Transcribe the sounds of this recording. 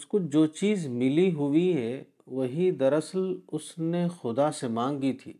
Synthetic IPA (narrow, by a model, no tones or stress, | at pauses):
skod͡ʒoːt͡ʃiːzmɪliɦʊiɦɛ | ʋɐɦid̪ɐɾəslʊsnexʊd̪asemãːŋɡit̪ʰḭː